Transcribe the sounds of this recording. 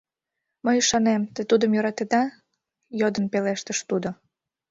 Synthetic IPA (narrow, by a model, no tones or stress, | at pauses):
məjyʃɑnemt̪ət̪ud̪əmjøɾɑt̪ed̪ɑ | jod̪ənpeleʃt̪əʃt̪ud̪o